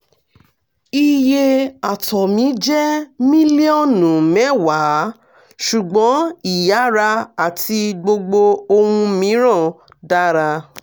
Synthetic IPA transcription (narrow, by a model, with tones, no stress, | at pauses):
i˧je˧a˨tʰɔ˨mĩ˨˦d͡ʒɛ˦mĩ˦li˦ɔ˦˨nũ˨mɛ̃˦wa˨˦ | ʃu˨ɡ͡bɔ̃˨˦i˨ja˨˦ɾa˧a˨tʰi˧ɡ͡bo˧ɡ͡bo˧o˧hũ˧mĩ˨˦ɾ̃ã˦˨ | da˦ɾa˧